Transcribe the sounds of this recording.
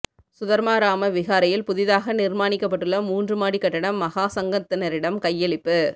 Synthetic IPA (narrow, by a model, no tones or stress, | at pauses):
sʊðɐɾmaːɾaːmɐʋɪɣaːɾɐjɪlpʊðɪðaːɣɐnɪɾmaːnɪkːɐp̬ːɐʈːɯɭːɐmuːndrɯmaːɽikːɐʈːɐɽɐmːɐɣaːsɐŋɡɐt̪ːɐnɐɾɪɽɐmkɐjːɛɭɪpːɯ